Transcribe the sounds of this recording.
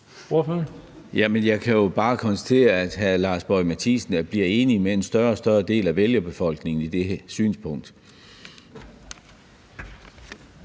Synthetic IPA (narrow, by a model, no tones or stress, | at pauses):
oføn | jæmenjɑ̈ɪkʰæjo̝b̥ɑ̈ːkʰɒ̽nsæ̥t͡sʰe̝̰ːɐæd̥ɦælɑ̈ːsb̥ɒ̽ɪmæt͡sʰisn̩æb̥liɐe̝ːnimee̝nsd̥ɶɐɒsd̥ɶɐd̥e̝̰ːlæʋeljɐb̥e̝fɒ̽l̰ɡ̥ne̝ŋn̩id̥esy̰ːnspʰɔ̽ŋ̰d̥